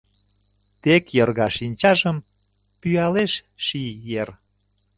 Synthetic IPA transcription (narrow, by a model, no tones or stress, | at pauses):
t̪ekjɤrɣɑʃinʲt͡ɕɑʒəm | pyɑleʃ | ʃijer